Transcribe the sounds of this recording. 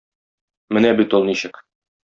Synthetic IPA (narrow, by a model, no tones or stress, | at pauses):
mɘnæbit̪ulˠniɕɘk